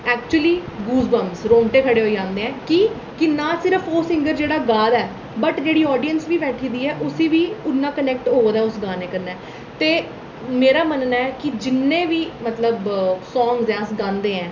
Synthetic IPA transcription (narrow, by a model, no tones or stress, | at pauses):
ɛːk̚t͡ʃuəliːɡuːzbəmsɾõːɳʈeːkʰəɽeːɦoːid͡ʒãːnd̪eːɛ̃ːkɪ | kɪnaːsɪɾəfʰoːsɪ̃ŋɡəɾd͡ʒeːɽaːɡaːd̪ɛː | bəʈd͡ʒeːɽiːɔːɖijənsʋiːʋɛːʈʰiːd̪iːɛːʔʊsiːʋiːʊnːãːkənɛːk̚ʈɦoːd̪ɛːʊsɡaːneːkəɾnɛː | t̪eː | meːɾaːmənːaːɛːkɪd͡ʒɪnːẽːʋiːmət̪ləbsɔːŋɡzaːsɡãːnd̪eːɛ̃ː